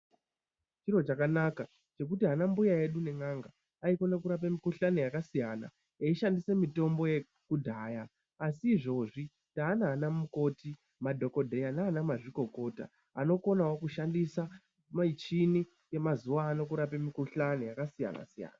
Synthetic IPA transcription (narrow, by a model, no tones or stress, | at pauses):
t͡ʃiro̞t͡ʃakanaka | t͡ʃe̞kutiɦanambujaje̞ɗune̞ŋaŋɡa | aikonakuɾap̬amikuɬanejakasijana̰ | eiʃandise̞mito̞mbo̞je̞ | kudʱaːjaː | siːʐo̞ʐi | taːnaːnamuko̞ti | madʱo̞ko̞dʱe̞janaːnamaʐiko̞ko̞ta̰ | ano̞ko̞nawokuʃandisa | mait͡ʃini | je̞mazuwaːnokuɾapemikuɬanejakasija̰na̰sija̰ːna